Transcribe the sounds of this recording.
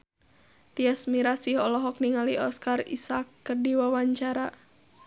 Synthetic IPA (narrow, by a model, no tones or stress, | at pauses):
t̪iasmiɾasihɔlɔɦɔk̚niŋaliɔskarḭsakːərdiwawaɲt͡ʃaɾa